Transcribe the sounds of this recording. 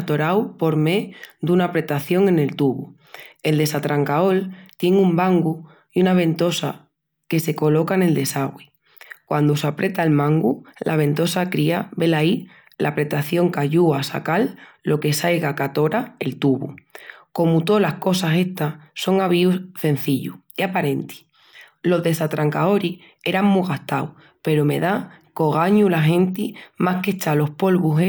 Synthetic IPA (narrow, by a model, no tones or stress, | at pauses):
t̪o̞ɾawpo̞ɾmed̪unapɾe̞t̪aθjo̞ŋe̞ne̞lt̪uβu | e̞ld̪e̞sat̪ɾaŋkao̞lt̪je̞ŋumbaŋɡu | iunaβ̞ẽ̞nt̪o̞sa | ke̞se̞ko̞lo̞kaene̞ld̪e̞saɣwi | kwand̪osapɾʔe̞t̪aelmãŋɡulʔaβ̞ẽ̞nt̪o̞sakɾiabe̞lai | lʔa̰pɾe̞t̪aθjo̞ŋkaʎuasa̰kalːo̞ke̞sajɣakat̪o̞ɾae̞lt̪uβṵko̞mut̪o̞lahko̞sase̞ht̪aso̞ŋaβ̞iusθe̞n̟θiʎṵ | iapaɾe̞nt̪i̥ | lo̞ɦðe̞sat̪ɾaŋkao̞ɾi | e̞ɾaŋmuɣaht̪aw | pe̞ɾome̞ðako̞ɣ̞aɲulaɦẽ̞nt̪imahke̞t͡ʃalo̞hpo̞lβuɦe